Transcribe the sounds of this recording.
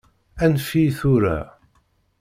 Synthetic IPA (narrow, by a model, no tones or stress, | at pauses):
ænfiθuɾa̰